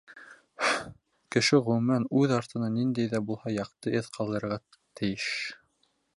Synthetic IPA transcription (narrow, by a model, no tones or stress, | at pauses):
kɘ̆ʃɘʁɵ̆mænʉðɑɾt̪ɤ̆nɑnind̪æjðæbulˠhɑjɑq̚t̪ɤʔeðqʰɑlˠd̪ɤ̆ɾʁɑ | t̪ʰɘ̆jɘʃ